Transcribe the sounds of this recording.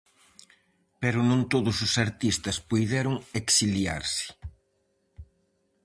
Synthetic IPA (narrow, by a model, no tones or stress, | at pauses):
peɾʊnõnt̪oðʊsʊsaɾt̪ist̪ɐspujðɛɾʊŋeksilja̰ɾsɪ̥